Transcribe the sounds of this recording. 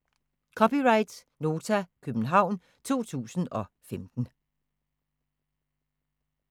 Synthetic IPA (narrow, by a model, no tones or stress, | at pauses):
kʰɒ̽piʁɑ̈ɪd̥ | no̝ːt͡sʰækʰøb̥n̩ɦɑ̈ʊ̰n | t͡sʰo̝̰ːt͡sʰṵːsn̩ɒ̽femd̥n̩